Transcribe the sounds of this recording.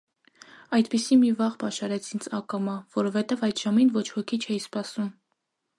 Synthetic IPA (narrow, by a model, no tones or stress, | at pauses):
ɑjd̪pisimivɑʁbɑʃɑɾɛt͡sʰind͡zɑkɑmɑvɔɾɔvɛt̪ɛvɑjd̪ʒɑminvɔt͡ʃʰhɔkʰit͡ʃʰɛjispɑsum